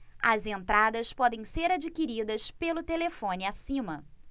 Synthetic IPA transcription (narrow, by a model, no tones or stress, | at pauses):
ɐzẽnt̪ɾad̪ɐspɔd̪ẽj̃seɾad͡ʒikiɾid̪ɐspelʊt̪elefõniasĩmɐ